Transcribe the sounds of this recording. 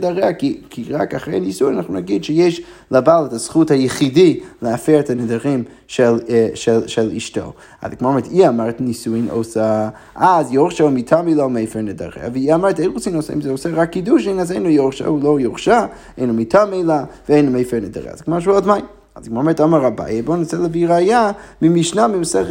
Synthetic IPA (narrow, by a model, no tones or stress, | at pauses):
daʁɛakikʰiʁa̰kaχɾeɪanisuinanaχnunaɡidʃɛjeɪʃlˠabalˠɛtasχuthajəχidiləafɛɾtʰanɪdaʁɪm | ʃɛlʃɛlˠʃɛlˠḭʃto̰ | a̰zɡmɔmɛtʰiamaɾtnisuɪno̰sa | azjoʁʃaumitʰamilˠaumeɪfɛɹnɪda̰ʁɛ̰a̰viiamaɾteɪnʁusinoʊsaḭmzɛosɛʁakːiduʃɪnazeɪnujoʃa̰ulˠojɔʁʃa | eɪnumitʰameɪlˠavəeɪnumejfɛɾnɪda̰ʁɛ̰a̰zɡmaɾʃuɔdmaɪn | azɡmɔmɛɾtɔmaɾaba̰jɛbonisɛlˠəviɾajamɪmiʃnamimsɛ